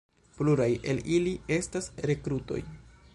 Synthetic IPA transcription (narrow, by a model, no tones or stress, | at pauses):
pluɾaje̞lilie̞stasɾe̞kɾuto̞̰j